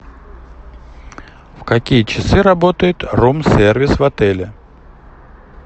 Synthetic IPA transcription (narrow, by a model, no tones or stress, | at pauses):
fkɐkʲijət͡ɕɪsɨɾɐbot̪əjɪt̪romsʲervʲɪsvɐt̪ɛlʲɪ